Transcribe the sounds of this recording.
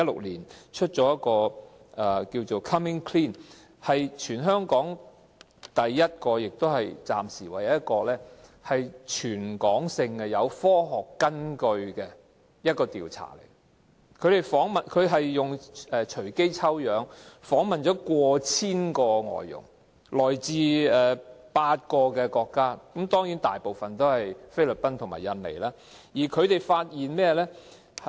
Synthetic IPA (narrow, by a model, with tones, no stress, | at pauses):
ɐ˥lʊ̰˨k̚liː˨˩nt͡ʃʰɵ˥t̚t͡ʃɔː˨˥jɐ˥t̚kɔː˧ | ʔɛ˨˩kiː˧wt͡so˨wkʰɐ˥mɪ˥ŋkʰliː˥˩n | hɐ˨jt͡ʃʰyː˨˩nɦœː˥ŋkɔː˨˥ŋ | t̪ɐ˨jːɐ˥t̚kɔː˧jɪ˨k̚t̪whɐ˨jt͡sa̰ː˨msiː˨˩wa˨˩jɐ˨˦jɐ˥t̚kɔː˧lɛː˥hɐ˨jt͡ʃʰyː˨˩nkɔː˨˥ŋsɪ˧ŋɛ˧jɐ˨˧wfɔː˥ɦɔː˨˩kːɐ˥nkɵ˧ɥkɛ˧ | jɐ˥t̚kɔː˧t̪iː˨wt͡sʰa̰ː˨˩lḛ˨˩j | kʰɵ˨˧t̪e˨jfɔː˨˥ŋmɐ˨˩nkʰɵ˨˧ɥɦɐ˨jːʊ˨ŋɛː˨˧t͡ʃʰɵ˨˩ɥke˥jt͡sʰɐ˥wjœː˨˥ŋfɔː˨˥ŋmɐ˨nt͡ʃɔː˨˥kʷɔː˧t͡sʰiː˥nkɔː˧ŋɔ̰ː˨jːʊ̰˨˩ŋ | lɔː˨˩jt͡siː˧ɛː˨paː˧t̚kɔː˧kɛː˧kɔː˧kːaː˥kɐ˨˥mt̪ɔː˥ŋjiː˨˥nt̪a̰ː˨jpo˨wfɐ˨nt̪o˥whɐ˨jfe˥jlɵ˨˩pɐ˥nt̪ʰʊ˨˩ŋma̰ː˨˩jɐ˨nlḛ˨˩jlaː˥ | jiː˨˩kʰɵ˨˧ɥt̪e˨jfaː˧t̚jiː˨nmɛː˥lɛː˥